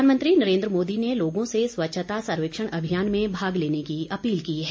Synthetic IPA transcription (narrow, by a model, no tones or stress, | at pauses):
anmə̃nt̪ɾinɐɾẽːnd̪ɾəmoːd̪ineloːɡõseswɐtːʃʰət̪asɐɾʋɪkʃəɽ̃ɐbʱijaːnmẽbʱaːɡleːnekiɐpiːlkiːɦɛː